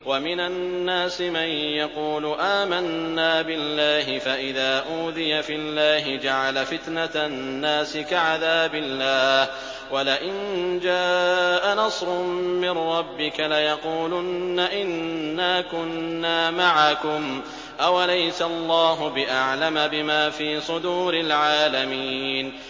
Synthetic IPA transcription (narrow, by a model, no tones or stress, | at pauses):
wamɪnanːaːsɪmanjɑquːlʊʔaːmanːaːbɪlːaːɦɪfaʔɪðaːʔuːðɪjafɪlːaːɦɪd͡ʒaʕalafɪt̪nat̪ | nːaːsɪkaʕaðaːbɪlːaːh | walɪʔɪnd͡ʒaːʔanɑsˤɾʊmmɪnɾˤɑbːɪkalajɑquːlʊnːaʔɪnːaːkʊnːaːmaʕakʊm | ʔawalajsalˤːɑːɦʊbɪʔaʕlamabɪmaːfiːsˤʊd̪uːɾɪlʕaːlamiːn